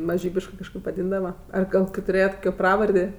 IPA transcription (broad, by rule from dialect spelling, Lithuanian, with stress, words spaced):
mɐˈʒʲiːbʲɪʃkɜ kɐʃˈkɐɪp ʋɐˈdʲiːndɐʋɐ ˈɐr ˈɡɐlˠ kɐɪ tʊˈrʲeːjɛt ˈkoːkʲoː ˈprɑːʋɐrʲdʲeː